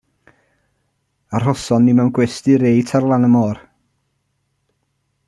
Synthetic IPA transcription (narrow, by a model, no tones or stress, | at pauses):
ar̥ɦɔsɔnːimawnɡwɛstiɾejtʰarlˠanəmoːr